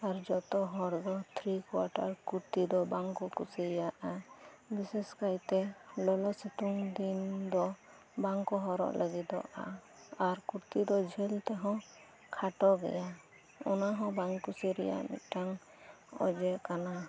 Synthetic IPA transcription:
aɾd͡ʒɔt̪ɔɦɔɾd̪ɔt̪ʰɾikwa̰ʈaɾkuɾt̪id̪ɔbaŋkɔkusiaʔa | biseskajt̪ɛlɔlɔsit̪uŋd̪ind̪ɔ | baŋkɔɦɔɾɔ̰ʔlʔəɡid̪ɔ̰a̰ | aɾkuɾt̪id̪ɔd͡ʒʱɛlt̪ɛɦɔ̃ | kʰaʈɔɡɛ̰ja | ɔnaɦɔ̃baŋkusiɾɛ̰ja̰ʔmḭʈaŋ | ɔ̰d͡ʒɛʔkana

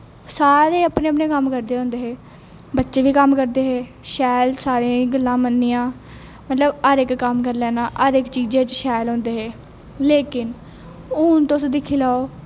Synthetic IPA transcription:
saːɾeːəpnẽːəpnẽːkəmkəɾd̪eːɦõːnd̪eːɦeː | bətːʃeːʋiːkəmkəɾd̪eːɦeː | ʃɛːlsaːɾĩːɡəlːãːmənːiːãː | mət̪ləbəɾɪkkəmkəɾlɛːnaːʔəɾɪkt͡ʃiːd͡ʒẽːt͡ʃʃɛːlɦõːnd̪eːɦeː | leːkɪn | uːnt̪osd̪ɪkʰːiːlaːoː

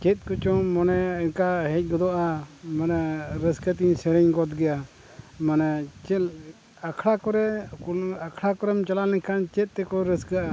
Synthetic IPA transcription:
t͡ʃɛt̪̚kɔt͡ʃɔmɔnɛinkaɦɛc̚ˀɡɔd̪ɔʔamanɛɾəskət̪iɲsɛɾɛɲɡɔt̪ɡɛja | manɛt͡ʃɛ | akʰɽakɔɾɛ | akʰɽakɔɾɛmt͡ʃalalɛŋkʰant͡ʃɛt̪̚ˀt̪ɛkɔɾəskəʔa

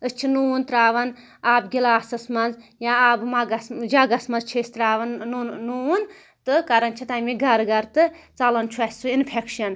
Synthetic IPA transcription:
ɨst͡ʃʰinunt̪ɾaːʋɐn | aːbɡʲilaːsɐsmɐnzjãaːbmɐɡɐsd͡ʒɐɡɐsmɐnzt͡ʃʰist̪ɾaːʋɐnːun | t̪ɨkɐɾɐnt͡ʃʰit̪ɐjmiɡɐɾɡɐɾt̪ɨt͡sɐlɐnt͡ʃʰuɐsʲsuinpʰekʃɐn

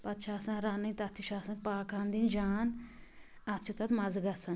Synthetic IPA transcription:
pɐt̪t͡ʃʰaːsɐ̃nɾaːnɐĩt̪ɐt̪ʰːiʃaːsɐnpaːkʰãːnd̪ind͡ʒaːn | ɐt̪t͡ʃʰut̪ɐt̪mɐzɡɐsɐn

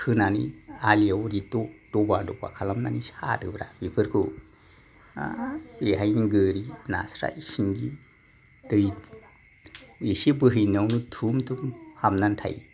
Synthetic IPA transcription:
kʰɯnanḭaliawɾitod̥obadɔba̰kʰalamnanishatɯbɾa̰bipʰɯɾkʰo | eɦajniɡɯɾina̰sɾa̰isiŋɡi | dɯj | isibɯɦɯjnawnutʰumtʰumhamnantʰa̰j

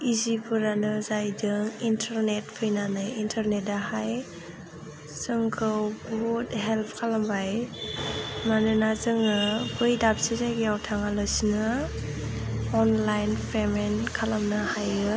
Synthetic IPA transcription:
izipʰɯɾanɯzajdɯŋintʰaɾnet̚pʰɯjnanɯjintʰaɾnet̚dahaj | zɯŋkʰɯwbudɦelpʰkʰalambaj | manɯnazɯŋnɯbɯjdap̚sizajɡjawtʰaŋalɯsinɯ | ɔnlajnpʰemenkʰalamnɯhajɯ

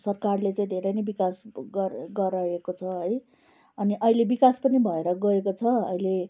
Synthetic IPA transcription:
sʌrkarlet͡saĩd̪ʱeɾʌjnʌjbikasɡʌɡʌɾʌekot͡sʰʌɦʌj | ʌniʔʌɦilebikaspʌnibʱʌeɾʌɡʌekot͡sʰʌʌ̰ile

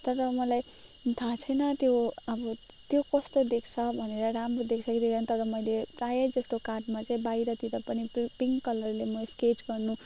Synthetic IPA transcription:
t̪ʌɾʌmʌlaj | t̪ʰãt͡sʰʌjnʌt̪joʌbʌ | t̪jokʌst̪od̪ekʰt͡sʰʌbʱʌneɾʌɾamrod̪ekʰt͡sʰʌkiɾiɡant̪ʌɾʌmʌjleprajʌd͡zʌst̪okarɖmat͡saĩbajɾʌt̪id̪ʌpʌnippiŋkʌlʌrlemʌsket͡ʃɡʌrnu

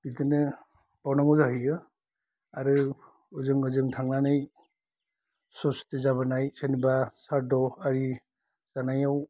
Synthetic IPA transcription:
b̥it̪ɯnɯ | bawnaŋɔzaɦɯjɯ | aɾɯ | ɯzɯŋɯzɯŋtʰaŋnanaj | sɔstezabanajsenibasaɾdɔaɾi | z̥anajaw

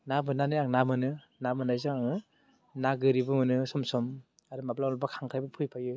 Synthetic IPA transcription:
nabɯnanɯjaŋnamɯnɯ | namɯnajzɯŋaŋɯ | naɡɯɾibɯmɯnɯsɔmsɔm | aɾɯmablawlɔbakʰaŋkʰajbapʰɯjpʰajɯ

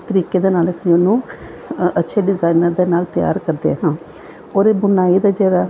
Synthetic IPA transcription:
t̪əɾiːkeːd̪eːnaːləsĩːʊnũː | ətːʃʰeːɖɪzaːinəɾd̪eːnaːlt̪ɪja̰ːɾkəɾd̪ḛːɦãː | oːɾeːbʊnaːiːd̪aːd͡ʒeːɽaː

